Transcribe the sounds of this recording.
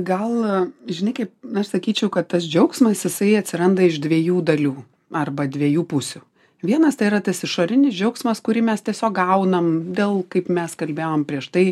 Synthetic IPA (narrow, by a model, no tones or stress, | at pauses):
ɡɐlˠʒʲɪnɐɪkɐɪp̚ɐʃsɐkʲiːt͡ʃʲɛʊkɐt̪t̪ːɐsd͡ʒʲɛʊksmɐsjɪsɐɪɐt̪ʲsʲɪɾɐnd̪ɐɪʃd̪ʲʋʲiɛjuːd̪ɐlʲuː | ɐrbɐd̪ʲʋʲiɛjuːpʊsʲʊ | ʋʲiɛnɐst̪ɐɪiɾɐt̪ɐsɪʃoːɾʲɪnʲɪsd͡ʒʲɛʊksmɐskʊɾʲɪmʲɛst̪ʲiɛsʲoːk̚ɡɐʊnɐmd̪ʲeːlˠkɐɪpmʲɛskɐlʲbʲeːoːmpʲɾʲiɛʃt̪ɐɪ